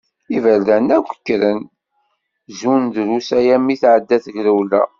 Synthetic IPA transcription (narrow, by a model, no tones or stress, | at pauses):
ivælːænæɡʷə̥kːɾən | zund̪ɾusæjæmiθʕəd̪ːæθəʝɾəwlæ̰